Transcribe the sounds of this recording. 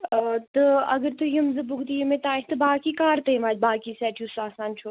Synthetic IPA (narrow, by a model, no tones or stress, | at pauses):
t̪ɐɐɡəɾt̪ɨjɐmzɨbʊɡt̪ijumẽt̪ãːɪt̪ɨbaːkiːkaːɾt̪ɐjmaːd͡ʒ̪̚baːkisɛːʈʰjusaːsaːnt͡ʃʰoː